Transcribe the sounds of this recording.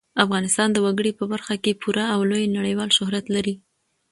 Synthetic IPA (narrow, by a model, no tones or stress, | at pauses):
afɣɑnɪst̪ɑnd̪əwaɡəɽipəbaɾxakepʰuɾaːwlojnaɽəjwɑlʃʊɦɾat̪laɾi